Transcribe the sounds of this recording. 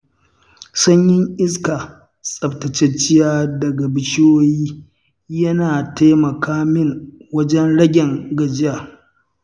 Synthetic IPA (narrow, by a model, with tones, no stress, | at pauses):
sɐ˦ɲjɪ˦ŋʔɪ˦ska˨ | sʼɐ˨btɐ˨t͡ʃɛ˦t͡ʃɪ˦jaː˦dɐ˨ɡa˨bɪ˨t͡ʃɪ˦joː˦jiː˦ | jɐ˦naː˨ta˦mɐ˨kaː˦mɪ˦ŋwɐ˦d͡ʒɛ˦nɽɐ˦ɡʲɛ˨ŋɡɐ˨d͡ʒɪ˦jaː˨